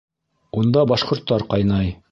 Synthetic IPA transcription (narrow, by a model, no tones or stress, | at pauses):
und̪ɑbɑʃqŏɾt̪ːɑɾqɑjnɑj